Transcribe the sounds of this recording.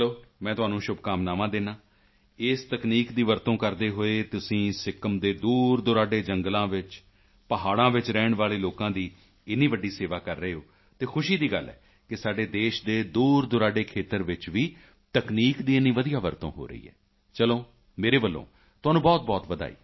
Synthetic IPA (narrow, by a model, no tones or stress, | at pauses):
loːmɛ̃ːt̪ʊɦaːnũːʃʊbkaːmnaːmãːd̪eːnãː | ɪst̪əkniːkd̪iːʋəɾt̪õːkəɾd̪eːɦoːeːt̪ʊsĩːsɪkəmd̪eːd̪uːɾd̪ʊɾaːɖeːd͡ʒəŋɡlãːʋɪt͡ʃ | pəɦaːɽãːʋɪt͡ʃɾɛːɳʋaːleːloːkãːd̪iː | ɪnːiːʋəɖːiːseːʋaːkəɾːəeːoː | t̪eːkʰʊʃiːd̪iːɡəlɛ̰ː | kɪsaːɖeːd̪eːʃd̪eːd̪uːɾd̪ʊɾaːɖeːkʰeːt̪əɾʋɪt͡ʃʋiː | t̪əkniːkd̪iːɪnːiːʋəd̪ijaːʋəɾt̪õ̰ːɦo̰ːɾə̰ḭːɛ̰ː | t͡ʃəloː | meːɾeːbəlːõ̰ː | t̪ʊɦaːnũːbɔːt̪̚bɔːt̪ʋəd̪a̰ːḭː